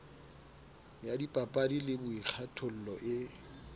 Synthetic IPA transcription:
jadipʼapʼadilɪbʊik͡xʰatʰʊl̩lɔʔɪ

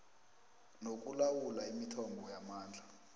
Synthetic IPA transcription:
nok̬ʼulawulaimitʰɔmbʱɔjamaːnd͡ɮʱa

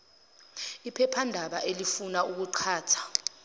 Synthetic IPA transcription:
ipʰɛpʰandʱaɓaʔelifunauk̬uǃʰaːtʰḁ

